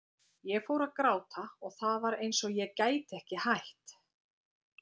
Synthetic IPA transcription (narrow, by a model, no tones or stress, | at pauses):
jɛfowɾaðkɾaːwt̪ʰaɔɣθaðvaɾejnsɔɣjɛcaːjt̪ɛhcɪhajht̪